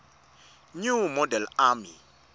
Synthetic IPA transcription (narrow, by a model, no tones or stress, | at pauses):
ɲumɔdɛlami